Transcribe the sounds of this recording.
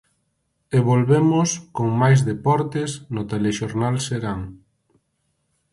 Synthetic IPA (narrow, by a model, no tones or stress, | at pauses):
eβolβemoskoŋmajzðepɔɾt̪esnot̪eleʃoɾnalseɾaŋ